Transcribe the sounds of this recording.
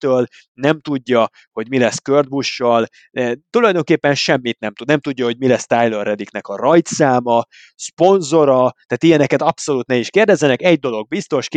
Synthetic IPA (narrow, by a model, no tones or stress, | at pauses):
øːl | nɛmt̪uɟːɒ | ho̞ɟmilɛskørd̪̚buʃːɒl | t̪ulɒjd̪o̞ŋkeːpːɛnʃɛmːit̪nɛmt̪ud̪nɛmt̪uɟːɒho̞ɟmilɛst̪aːjlørːɛd̪iknɛkɒrɒjt̪saːmɒ | spo̞nzo̞ɾɒt̪aːt̪ijɛnɛkɛt̪ɒpso̞luːt̪nɛiʃkeːrd̪ɛzːɛnɛkɛɟd̪o̞lo̞ɡ̚bist̪o̞ʃk